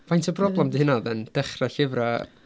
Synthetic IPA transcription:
vajntʰəbʰrɔblˠɛmdihɪnaðɛnd̥ɛχraɬɪvra

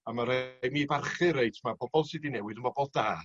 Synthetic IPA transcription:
amaɾejnibarχɨɾejtʰmabɔbɔlˠsidinɛwɨðənbɔbɔlˠdaː

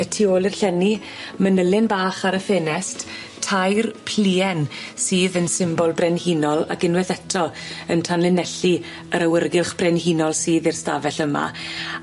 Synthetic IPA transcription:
ətʰioːlˠɪrɬɛni | mənəlɪnbaːχaɾəfeːnɛst | tʰːajrpʰl̥iːɛnsiːðənsɪmbɔlˠbrɛnhinɔlˠa̰ɡɪnwɛθɛtʰɔəntʰanlɪnɛɬi | əɾawərɡɪlˠχb̥rɛnhinɔlˠsiːðɪrstavɛɬəma̰

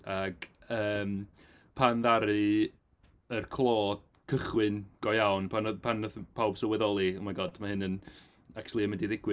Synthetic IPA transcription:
aɡ̥əːm | pʰanðaɾɨ | ərkʰlˠoːd | kʰəχwɨnɡ̥ɔjawnpʰanɔpʰanɔðpʰawb̥səwɛðɔlˠiɔmaɡɔd̥mahɨnən | ak̚t͡ʃʰulˠiəmɪndiðɪɡ̥wɨ

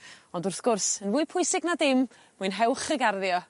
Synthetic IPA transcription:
ɔndʊrθɡ̥ʊrsənvʊːɨpʰʊɨsɪɡnadɪm | muɨnɦɛwˠχəɡarðjɔ

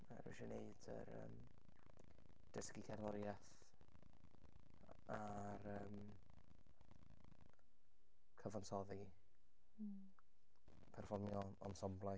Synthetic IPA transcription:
maɾɪ̰ʃɛneɨdə̰ɾə̰m | d̥əskikʰarlˠɔɾjaθ | a | ɾəːm | kʰəvansɔði | pʰɛrfɔrmjɔ | ɔ̰nsɔmblˠaj

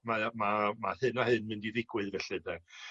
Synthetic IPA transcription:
mamamahɨnahɨnmɪndiðɪɡwɨðvɛɬɨðɛ

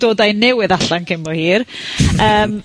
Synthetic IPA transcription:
d̥oːdajnɛwɨðaɬankʰɪmɔhiːr | əːm

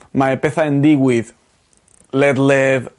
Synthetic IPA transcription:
maepeθaẽnd̪iɣwið | letlɪv

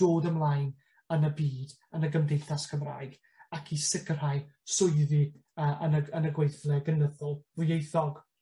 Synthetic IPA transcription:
d̥oːdəmlˠajn | ənəbiːd | ənəɡəmdejθaskʰəmra̰ːjɡ̥ | akʰisɪkr̥ajsʊjðiəːʔənəənəɡwejθlɛɡənəðʊlˠvʊjejθɔɡ̥

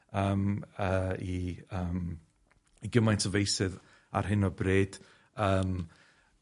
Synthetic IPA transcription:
əːməːiəːm | iɡəmajntʰɔvejsɨð | a̰rɦɪnɔbreːd̥ | əːm

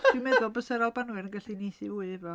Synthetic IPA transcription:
d̥ɪwmɛðʊlˠbəsɛɾalˠbanwɨɾənɡɛɬinijθɪvuɨvɔ

